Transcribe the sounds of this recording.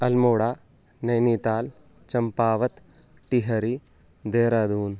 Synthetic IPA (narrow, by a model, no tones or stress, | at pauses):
ɐlmoːɽaː | nɐjniːt̪aːl | t͡ʃɐmpaːʋɐt̪ | ʈiɦɐɾi | d̪eːɾad̪uːn